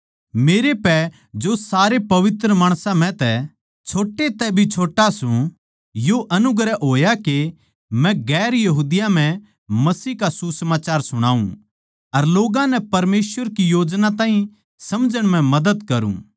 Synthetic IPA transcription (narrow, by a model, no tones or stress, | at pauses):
meːɾepɛ | d͡ʒosaːɾepɐʋɪt̪ɾəmaːɽ̃sãm̤ɛ̃t̪ɛ | t͡ʃʰoːʈːet̪ɛbʱit͡ʃʰoːʈːasũ | joʔɐnʊɡɾɛɦoːjake | mɛ̃ɡɛːɾjɐɦuːd̪ɪjam̤ɛ̃ | mɐsiːɦkasusɐmaːt͡ʃaːɾsʊɽ̃a̰ːṵ̃ | ɐɾloːɡãnɛpɐɾmeːsʋəɾkijoːd͡ʒnat̪ãːɦĩ | sɐmd͡ʒəɽ̃mɛ̃mɐd̪əd̪kɐɾṵ̃ː